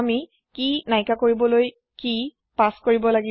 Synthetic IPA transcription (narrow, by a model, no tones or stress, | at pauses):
mi | kinajkakoɹibɔloj | ki | paskoɹibɔlaɡi